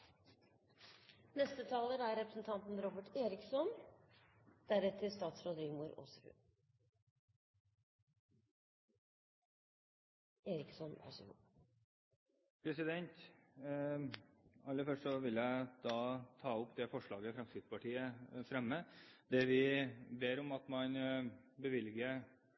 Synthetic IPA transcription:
nɛst̪ət̪ʰɑːləɾæɾɾɛpɾəsn̩t̪ʰɑnt̪n̩ɾɔbəʈeːɾɪksɔn | d̪̥æɾɛt̪ʰəst̪ɑːt̪sɾɔd̪ɾiːɡmuːɾo̰ːsɔhʉ̰ | eːɾɪksɔnʔæ̰ʂɪ̰ṵː | pʰɾɛsɪd̪ɛnt̪ | ɑlːəfœʂʈsɔʋɪlːjæɪd̪ɑːt̪ʰɑːʊpːd̪ɛfɔʂɭɑːɡəfɾɑmsɪd̪spɑʈiːəfɾɛmːəd̪̥ɛʋɪbeːɾɔmɑt̪mɑnbəʋɪlɡə

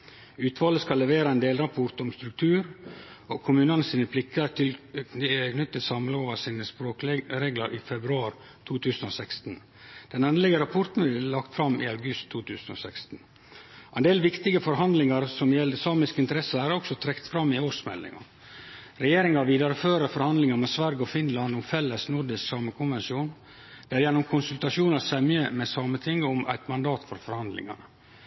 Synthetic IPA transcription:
ʉːt̪ʰʋɑːləskɑlːɛʋeːɾɑɛnd̪eːlɾɑpʰɔɾt̪ɔmst̪ɾʉk̚t̪ʰʉːɾokʰʊmʉːnənəsiːnəpʰlɪkːət̪ʰɪl | kʰnʏt̪ːəsɑmləoːʋəsiːnəspɾoːkɾeːɡləɾʔɪfɛbɾʉɑːɾ | t̪ʰuːt̪ʰʉːsən̩oːsɛkst̪n̩ | d̪̥ɛnɛnd̪əlɛɡəɾɑpʰɔɾt̪n̩ʋɪlːɑkt̪fɾɑmɪ̰ɑʉɡʉst̪ʰːuːt̪ʰʉːsno̰ːsɛkst̪n̩ | ʔɛnd̪eːlʋɪkt̪ɪɡəfɔɾɦɑnd̪lɪŋɑɾsɔmjɛlːəsɑːmɪskɪnt̪əɾɛsəæɾɔksɔt̪ʰɾɛkt̪fɾɑmːɪoːʂmɛ̰lːɪ̰ŋɑ̰ | ɾɛjeːɾɪŋɑʋiːd̪ɑɾəføːɾəfɔɾhɑnd̪lɪŋɑmɛːsʋæɾɡɔfɪnlɑnd̪ɔmfɛlːəsnʊɾɖɪsksɑːməkʰʊnʋɛnʂjuːn | d̪̥ɛæɾjɛnːʊmkʰʊnsʉlt̪ɑʂuːnɑsɛmjəmɛsɑːmət̪ʰɪŋːəɔmʔæ̰ɪt̪mɑnd̪ɑːt̪fɔɾfɔɾhɑnd̪lɪ̰ŋɑ̰nə

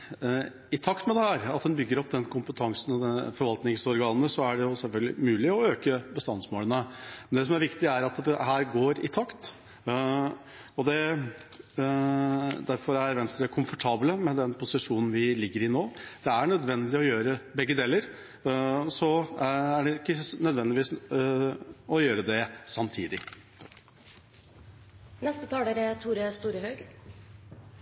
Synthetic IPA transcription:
ɪt̪ʰɑkt̪mɛd̪ɛhæːɾɑt̪̚d̪ɛnbʏɡːəɾɔpd̪ɛnkʰʊmpət̪ʰɑŋsn̩ɔd̪ɛfɔɾʋɑlt̪nɪŋsɔɾɡɑːnːəsɔæɖɛjʊsɛlfœlɡlɪ̰mʉːlɪɔøːkəbəst̪ɑnsmoːlənəmɛnd̪ɛs̬ɔmæɾʋɪkt̪ɪæɾɑt̪d̪ɛhæːɾɡoːɾɪ̰t̪ʰɑkt̪ | ɔd̪ɛ | d̪æɾfɔɾæɾʋɛnst̪əəkʰʊmfɔʈʰɑːbləmɛd̪ɛnpʰʊsɪʂuːnn̩ʋɪlɪɡːəɾɪnoːd̪̥ɛæɳœd̪ʋɛnd̪ɪɔjøːɾəbɛɡːəd̪eːləɾ | sɔæɖɛɪkːənœd̪ʋɛnd̪ɪʋiːs | ɔjøːɾəd̪ɛsɑmt̪ʰiːd̪ɪ | nɛst̪ət̪ʰɑːleɾət̪ʰuːɾəst̪uːɾəhœɡ

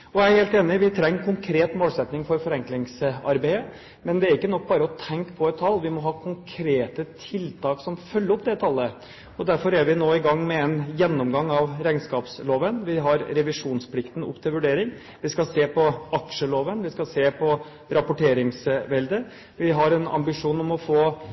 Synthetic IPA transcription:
ɔææɾheːlt̪eːnɪʋɪt̪ʰɾɛŋːkʰʊŋkʰɾeːt̪moːlsɛt̪nɪŋfɔɾfɔɾɛŋklɪŋsɑ̰ɾbæɪə | mɛnd̪ɛæɾɪkːənɔk̚ːbɑːɾəɔt̪ʰɛŋkpʰɔɛt̪t̪ʰːɑlːʋɪmɔɦɑːkʰʊŋkʰɾeːt̪ət̪ʰɪlt̪ʰɑːksɔmfœlːəɾʊp̚d̪ɛt̪ʰɑlːə | ɔd̪æɾfɔɾæɾʋɪnoːɪɡɑŋːmɛɛnjɛnːɔmɡɑŋːɑʋɾæɪnskɑːpsloːʋənʋɪɦɑɾɾɛʋɪʂuːnspʰlɪkt̪ən̩ɔ̰pːt̪ʰɪlʋʉɖeːɾɪŋ | ʋɪskɑseːpʰɔɑkʂəloːʋənʋɪskɑseːpʰɔ | ɾɑpʊʈeːɾɪŋsʋɛld̪ə | ʋɪɦɑɾɛnɑ̰mbɪʂuːnɔmɔfoː

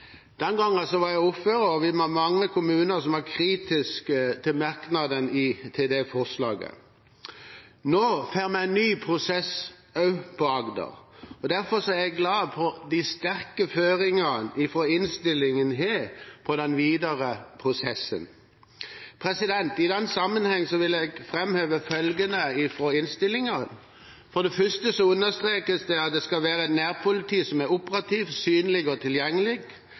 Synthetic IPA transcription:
d̪̥ɛnɡɑŋːəsɔʋɑɾjæɪʊpføːɾəɔʋɪmmɑŋːəkʰʊmʉːnəɾsɔmɑɾkʰɾiːt̪ɪskət̪ʰɪlmɑɾknɑd̪ənɪt̪ʰeːd̪eːfɔʁslɑːɡə̰ | noːfeːɾmɛæɪnnyːpʰɾʊsɛs | ɑʉpʰɔɑɡd̪ə̰ɾɔd̪æɾfɔɾsɔæɾjæɡlɑːpʰɔd̪ist̪æɾkəføːɾɪŋənɪfɾɔɪnst̪ɪlːɪŋənɦeːɾpʰɔd̪ɛnʋiːd̪əɾəpʰɾʊsɛsːə̰n | pʰɾɛsɪd̪ɛnt̪ɪd̪ɛnːsɑmːənhɛŋːsɔʋɪlɛɡfɾɛmhøːʋəfœlɡənəɪfɾoːɪnst̪ɪlːɪŋɑn | fɔɾd̪ɛfœʂt̪əsɔʉnːəst̪ɾeːkəsd̪ɛɑt̪̚d̪ɛskɑʋæːɾəɛt̪næːɾpʰʊlɪt̪ʰiːsɔmæɾʊpəɾɑt̪ʰiːʋsyːnlɪɡɔt̪ʰɪljɛŋːəlɪɡ

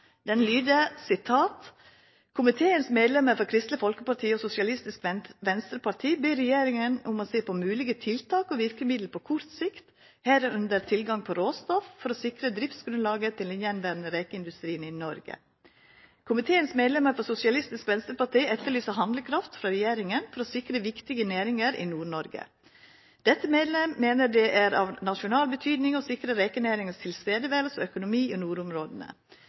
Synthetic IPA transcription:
d̪ɛnlyːd̪əsɪt̪ʰɑːt̪ | kʰʊmɪt̪ʰeːənsmeːd̪lɛməɾfɔkʰɾɪst̪ləfɔlkəpɑʈʰiːɔsʊsɪɑlɪst̪ɪskʋɛnst̪ɾəpɑʈ̪ʰiːbeːɾɛjeːɾɪŋənʊmɔseːpʰɔmʉːlɪɡət̪ʰɪlt̪ʰɑːkɔʋɪɾkəmɪd̪l̩pʰɔkʰʊɾt̪sɪkt̪ | hɛːɾəʉnd̪əɾt̪ʰɪlɡɑŋpʰɔɾoːst̪ɔffɔɾɔsɪkɾəd̪ɾɪft̪sɡɾʉnlɑːɡət̪ʰɪlɛnjɛnʋæːɾnəɾeːkəɪnd̪ʉst̪ɾiːənɪnɔɾɡə̰ | kʰʊmɪt̪ʰeːənsmeːd̪lɛməɾfɔɾsʊsɪɑlɪst̪ɪskʋɛnst̪əɾpɑʈʰiːɛt̪ːəɭyːsəɦɑnd̪ləkʰɾɑft̪fɾɑɾɛjeːɾɪŋənfɔɾɔsɪkɾəʋɪkt̪ɪɡəneːɾɪŋəɾɪ̰nuːɳɔɾɡə̰ | d̪̥ɛt̪ːəmeːd̪lɛmːeːnəɖɛʔæɾɑ̰ʋnɑʃʊnɑːlbət̪ʰyːd̪nɪŋɔsɪkɾəɾeːkənæːɾɪŋəst̪ʰɪlst̪eːd̪əʋeːlsɔœkʊnʊmiːonuːɾʊmɾoːd̪ənə̰

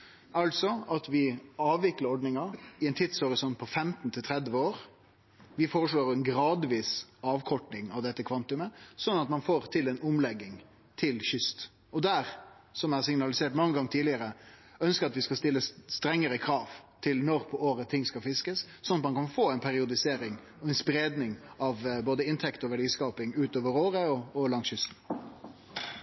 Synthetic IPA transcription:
ɑlt̪sɔɑt̪ʋɪɑːʋʋɪkləɾɔɖnɪŋɑɾɪɛnt̪ʰɪt̪shɔɾɪsɔnt̪̚pʰɔfɛmt̪n̩t̪ʰɪlt̪ʰɾɛd̪ʋəoːɾ | ʋɪfoːɾəʂɭoːɾɛnɡɾɑːd̪ʋiːsɑːʋkʰɔʈɳɪŋɑʋd̪ɛt̪ːəkʰʋɑnt̪ʉməsɔnːɑt̪mɑnfoːɾt̪ʰɪlɛnʊmlɛɡːɪŋ | t̪ʰɪlçʏst̪ | ɔd̪æɾsɔmæɾsɪŋnɑlɪseːʈmɑŋːəɡɑŋːt̪ʰiːlɪəɾəœnskəɾɑt̪ʋɪskɑlst̪ɪlːəsst̪ɾɛŋːəɾəkʰɾɑːʋt̪ʰɪlnɔɾpʰɔoːɾət̪ʰɪŋːskɑlfɪskəsːɔnːɑt̪mɑnkɑnfoːæɪnpʰæɾɪʊd̪ɪseːɾɪŋ | ɔɛɪnspɾeːd̪nɪŋɑʋboːd̪əɪnt̪ʰɛkt̪ɔʋæɖiːskɑːpɪŋʉːt̪oːʋəɾoːɾəɔɔlɑŋsɕʏst̪n̩

